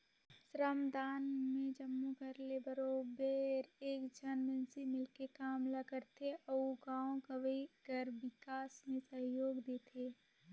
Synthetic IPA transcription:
sɾəmd̪aːnmẽd͡ʒəmːukəɾlebəɾoːbeːɾeːkd͡ʒɐnmənsemɪlkekaːmlakəɾt̪eʔɐuɡãːõɡɐʋəiɡəɾʋɪkaːsmẽsɐɦjoːɡd̪eːt̪ʰeː

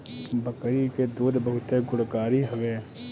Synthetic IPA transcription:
bəkɾiked̪uːd̪bɐɦʊt̪eɡʊɽkaːɾiɦɐʋeː

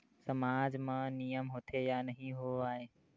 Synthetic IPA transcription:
sɐmaːd͡ʑmãnijəmɦoːt̪ʰejanɐɦĩɦoaːɦeː

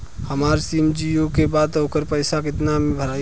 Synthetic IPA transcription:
həmaːɾsiːmd͡ʒijokebaːd̪oːkəɾpəɪsakɪt̪namẽbʱəɾaː

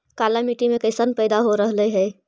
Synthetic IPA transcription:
kaːlamiʈimẽkəɪsənpɛɪd̪aɦoɾəɦləɦɛː

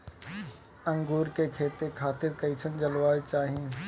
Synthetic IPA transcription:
ɐ̃ŋɡuːɾkekʰeːt̪ekʰaːt̪ɪɾkɐit͡ʃʰənɪ̆d͡ʑɐlʋaːet͡ɕaːɦĩ

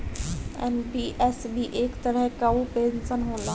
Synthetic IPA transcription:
ɛ̰nbiʔɛsbʱiʔeːkt̪əɾəɦkaupeːnsənɦõːnd̪a

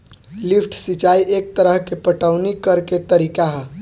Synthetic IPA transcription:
lipʰʈʰsit͡ʃaiʔek̚t̪əɾəɦkepəʈəwnikːəɾket̪əɾikaɦə̃

